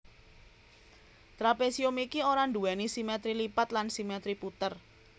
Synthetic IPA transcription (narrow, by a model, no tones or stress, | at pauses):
t̪ɾapesiomikioɾand̪uanisimet̪ɾilipat̪lansimet̪ɾiput̪ər